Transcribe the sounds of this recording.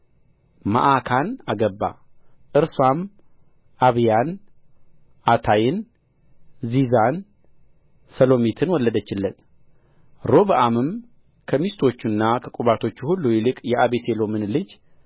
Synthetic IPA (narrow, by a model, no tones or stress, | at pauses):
ma̰ʔakʰanaɡəbːa̰ʔɨɾswam | ʔaβjan | ʔat̪ʰajɪn | zizan | səlo̞mit̪ʰɨnwɔlːəd̪ət͡ʃːɪlːən | ɾo̞βʔamɨm | kʰəmist̪ʰo̞t͡ʃːunːakʰəkʼuβat̪ʰo̞t͡ʃːuhulːujilɨkʼjɛʔaβese̞lo̞mɨnlɨd͡ʒ